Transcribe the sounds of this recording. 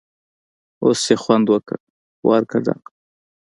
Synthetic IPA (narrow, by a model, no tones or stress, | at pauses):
osːexwand̪wəkə | wʔɑ̰ɾkʰad̪a̰q